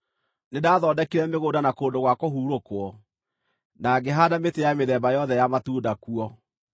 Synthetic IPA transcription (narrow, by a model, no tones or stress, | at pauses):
nedaːðɔdɛkeɾɛmeɣodanakoːndoɣwakoɦuːɾokwɔ | naɡeɦadametejameðɛbajɔðɛjamatuːdakuɔ